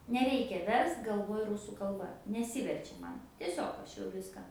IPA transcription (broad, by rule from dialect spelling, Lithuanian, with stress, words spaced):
nʲɛˈrʲɛɪkʲɛ ˈʋʲɛrst ɡɐlˠˈʋoːj ˈrʊsuː kɐlˠˈbɐ nʲɛˈsʲɪʋʲɛrʲt͡ʃʲɛ ˈmɐn tʲiɛˈsʲoːk ˈɐʃ jɛʊ ˈʋʲɪskɑː